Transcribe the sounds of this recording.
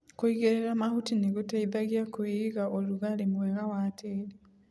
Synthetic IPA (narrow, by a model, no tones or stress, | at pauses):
koiɣeɾeɾamahutineɣotaiðaɣiakoeɣaoluɣalemwɛɣawatʰeɾe